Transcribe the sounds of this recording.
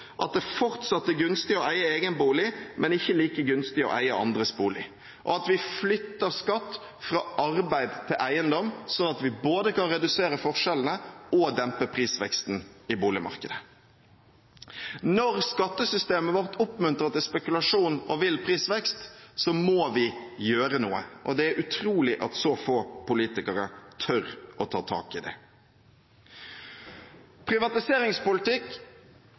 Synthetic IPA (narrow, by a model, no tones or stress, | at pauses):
ʔɑ̰t̪̚d̪ɛfɔʁt̪sɑt̪ːɛɡʉnst̪ɪɔʔæɪəeːɡənbuːlɪmʔɛnɪçːəliːkəɡʉnst̪ɪɔ̰ʔæ̰ɪəɑ̰nd̪ʁəsbuːlɪ | ʔɔ̰ɑt̪ʋɪflʏt̪ːəʁskɑt̪ː | fɾɑːʔɑɾbæɪd̪t̪ʰɪlʔæɪənd̪ɔmsɔnɑt̪ʋɪboːd̪əkɑnʁɛd̪ʉseːɾəfɔʁʂɛln̩əɔd̪ɛmpəpʰʁiːsʋɛ̰kst̪n̩ɪbuːlɪmɑ̰ʁkəd̪ə | nɔɾskɑt̪ːəsʏst̪eːməʋɔʁt̪ʰʊpmʉnt̪ʁɑt̪ɪspɛkʉlɑʂuːnɔʋɪlpʰʁiːsʋɛkst̪sɔmoːʋɪjøːɾənuːə̰ʔɔd̪ɛæɾʔʉt̪ʰɾuːlɪʔɑt̪soːfoːpʊliːt̪ɪkəɾət̪ʰœɾʔɔt̪ʰɑːt̪ʰɑ̰ːkɪd̪ɛ̰ | pʰɾɪʋɑt̪ɪseːɾɪŋspʊlɪt̪ɪk